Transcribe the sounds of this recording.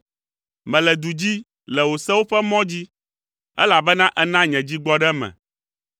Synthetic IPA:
mɛ̃˨lɛ˨d̪u˨d͡ʑi˦ | lɛ˨wo˨sɛ˦wo˦ɸɛ˦mɔ̃˦d͡ʑi˦ | ɛ̰˦la˨bɛ˦nã˦ʔɛ˦nã˦ɲɛ̃˨d͡ʑi˦ɡ͡bɔ˦ɖɛ˦mɛ̰̃˨

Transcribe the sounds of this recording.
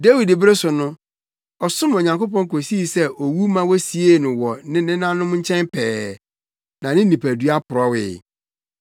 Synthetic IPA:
de˦wi˨dɪ˨bɾe˦sʊ˨nʊ̃˦ | ɔ˨sʊ̃˦mo˨ɲã˨ŋko˦pɔ̃˦ŋ˦ko˨si˦˨sɛ˦ʔo˨wu˦mã˦wɔ˦si˨e˦˨nʊ̃˨wɔ˨nɪ̃˦nɪ̃˦nã˦nʊ̃˦m˦ɲ̩˦t͡ɕʰɛ̃˦mpʰɛː˨ | nã˨nɪ̃˦ĩ˨pʰæ˨du˨a˦pʰʊ˨ɾɔ˦wɪ̰˨

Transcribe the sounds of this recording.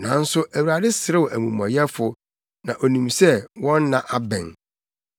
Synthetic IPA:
nã˨˦n̩˦sʊ˦ʔæ˨wu˨ɾa˨dɪ˦sɪ˨ɾɪ˦wɔ˨ʔæ˨mũ˨mɔ̰̃˨jɛ˦fʊ˨ | nã˨ʔo˨nũ˨msɛ˦wɔ̃˦nː˦ã˨ʔa˦bɛ̰̃˨n

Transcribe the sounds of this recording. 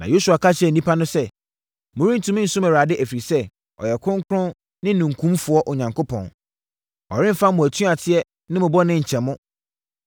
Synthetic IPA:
nã̰˨jo˦su˨a˨kʰa˦ɕɛ˨nĩ˦pʰa˦nʊ̃˦sɛ˦ | mʊ̃˨ɾĩ˦n̩˨tʰũ˦mɪ̃˦n̩˨sʊ̃˦mæ˨ɾa˨dɪ˦ʔæ˨fi˨ɾi˨sɛ˦ | ɔ̰˨jɛ˨kʰʊ̃˦ŋ˦kʰʊ˦ɾʊ̃˦n | nɪ̃˦nũ˨ŋ̩˨kʰũ˦mfʊ˨˦ɔ˦ʔʊ˨ɲã˨ŋkʰo˦pʰɔ̰̃˨n | ɔ̰˨ɾɪ̃˦m˦fã˦mʊ̃˨æ˨tʰũ˦a˨tʰɪ˦ɛ˦ | nɪ̃˦mʊ̃˨bɔ˦nɪ̃˦ɲ̩˨t͡ɕʰɛ̃˨mʊ̃˦

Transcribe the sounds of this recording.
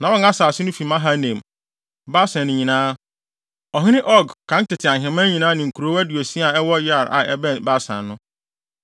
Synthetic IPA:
nã˨wɔ˦ŋa˦saː˨sɪ˦nʊ̃˦fi˨mã˦ɦa˦nẽ˨m | ba˦sã˨nɪ̃˨ɲĩ˨nãː˦ | ɔ˨ɦĩ˦nɪ̃˦ʔɔ˦ɡkʰːã˨˦n˦tɪ˨tʰɪ˨a˨ɦɪ̃˨mã˦ɲĩ˨nãː˦nɪ̃˨ŋ̩˨kʰu˨ɾo˦æ˦di˨o˨si˦a˨ɛ˦wɔ˦ja˦˨ɾʔa̰˨ɛ̰˦bɛ˦nba˦sã̰˨nnʊ̃˦

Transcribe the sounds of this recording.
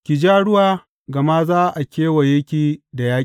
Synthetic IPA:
kʲi˨d͡ʒaː˦ɽʊ˦waː˦˨ | ɡɐ˨ma˦zaː˦ʔa˨kʲeː˦wa˨jɛ˦kʲiː˦da˨jaː˦

